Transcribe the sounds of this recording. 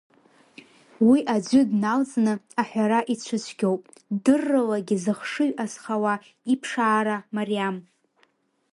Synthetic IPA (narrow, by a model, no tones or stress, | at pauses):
wiʔad͡ʒʷʏdnalt͡sʼnɨaħʷᶣaɾaʔit͡ɕʷʰɨt͡ɕʷʰɡʲowpʼdɨrːɨlaɡʲɪzɨχʂɨɥʔasχawa | ipʰʂaːɾamariam